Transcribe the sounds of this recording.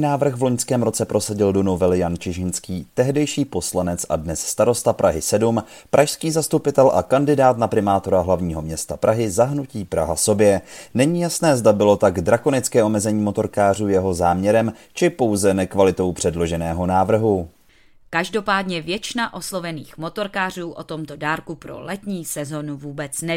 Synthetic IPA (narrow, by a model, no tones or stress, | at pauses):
naːvr̩xvlo̞ɲskɛːmɾo̞t͡sɛpɾo̞saɟɪldonovɛljant͡ʃɪʒɪnskiːt̪ɛɦdɛjʃiːpo̞slanɛt͡sʔa̰dnɛsst̪aɾo̞st̪apɾʔaɦɪsɛdum | pɾʔaʃskiːzast̪upɪt̪ɛlʔa̰kandɪdaːt̪napɾɪmaːt̪o̞ɾaɦlavɲiːɦo̞mɲɛst̪apɾʔaɦɪzaɦnuciːpɾa̰ɦa̰so̞bjɛnɛɲiːjasnɛːzdabɪlo̞t̪aɡdɾako̞nɪt͡skɛːʔo̞mɛzɛɲiːmo̞t̪o̞ɾkaːr̝uːjɛɦo̞zaːmɲɛɾɛm | t͡ʃɪpo̞wzɛnɛkvalɪt̪o̞wpr̝̥ɛdlo̞ʒɛnɛːɦo̞naːvr̩ɦu | kaʒdo̞paːdɲɛvjɛt͡ʃɪnaʔo̞slo̞vɛniːxmo̞t̪o̞ɾkaːr̝uːʔo̰t̪o̞mt̪o̞daːɾkupɾo̞̰lɛt̪ɲiːsɛzo̞nuvuːbɛt͡snɛ